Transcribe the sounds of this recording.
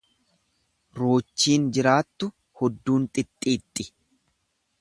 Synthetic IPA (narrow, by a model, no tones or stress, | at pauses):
ɾoːt͡ʃːiːnd͡ʒɪɾaːt̪ːʊ | hɔd̪ːuːnt̪ʼɪt̪ʼːiːt̪ʼːɪ